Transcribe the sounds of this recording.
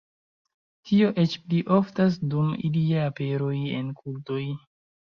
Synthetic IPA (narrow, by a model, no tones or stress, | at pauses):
tio̞ʔet͡ʃpliʔo̞ftas̬dumḭliaape̞ɾo̞je̞̰nkʰulto̞j